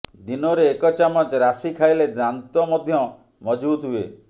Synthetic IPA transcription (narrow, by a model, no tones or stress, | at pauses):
d̪inɔɾeːkɔt͡ʃamat͡ʃɾasikʰajled̪ɾant̪ɔmɔd̪ʱjɔ | mɔd͡ʒbut̪ɦue